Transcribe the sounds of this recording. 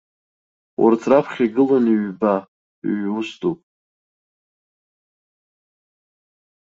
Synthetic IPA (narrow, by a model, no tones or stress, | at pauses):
wʔa̰rtʰrapʰχʲiɡɨlanɥba | ɥustʰʼupʼ